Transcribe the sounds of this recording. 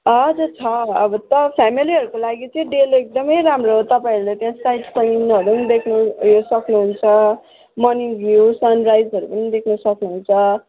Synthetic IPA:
ʌd͡zʌt͡sʰʌʌbʌt̪ʌpʰamiliɦʌɾukolaɡit͡sʌĩɖelek̚d̪ʌmʌjɾamroɦot̪ʌpaĩʌɾulet̪ejãsajʈsʌnɦʌɾunid̪ekʰnusʌknuɦunt͡sʰʌ | mʌniɡjusʌnrajd͡zɦʌɾupʌnid̪ekʰnʌsʌknuɦunt͡sʰʌ

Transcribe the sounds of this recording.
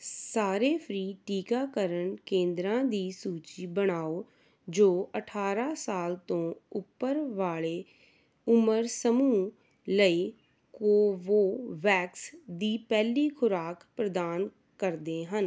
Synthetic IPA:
saːɾeːpʰɾiːʈiːkaːkəɾəɳkẽːnd̪ɾãːd̪iːsuːt͡ʃiːbəɽaːoː | d͡ʒoːəʈʰaːɾaːsaːlt̪õːʊpːəɾʋaːɭeː | ʊməɾsəmuː | ləiː | koːʋoːʋɛːksd̪iːpɛːliːkʰʊɾaːkpɾəd̪aːn | kəɾd̪eːɦən

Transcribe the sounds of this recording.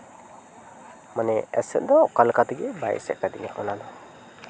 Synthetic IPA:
manɛɛ̰sɛ̰ʔ̚d̪ɔɔkalkat̪iɡɛbajsɛ̰ʔkad̪iŋa̰ʔɔnanɔ

